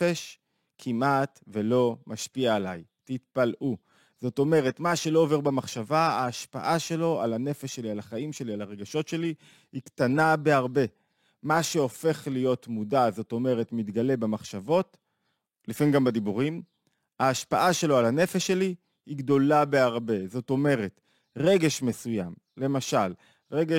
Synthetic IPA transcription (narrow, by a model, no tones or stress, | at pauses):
eʃ | kʰimʔatve̞lo̞maʃpiaːla̰jtit̚palʔu | z̥o̞to̞me̞ʁe̞tmaʃe̞lo̞ove̞ʁbemaχʃavaaːʃpa̰ʔaʃe̞lo̞alane̞feʃe̞lialaχaimʃe̞lialaʁe̞ɡaʃo̞tʃe̞li | hiktanabe̞aʁbe̞ | maʃe̞ofe̞χlijo̞tmudazo̞to̞me̞ʁe̞tmitɡale̞bemaχʃavo̞t | lifinɡambadibuʁim | aːʃpaʔaʃe̞lo̞alane̞feʃe̞li | hiɡdo̞labe̞aʁbe̞zo̞to̞me̞ʁe̞t | ʁe̞ɡe̞ʃme̞sujam | le̞maʃal | ʁe̞ɡe